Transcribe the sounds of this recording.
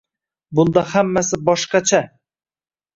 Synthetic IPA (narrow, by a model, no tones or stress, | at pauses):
bʊnd̪ɑhamːæsɪbɒʃqɑt͡ʃʰa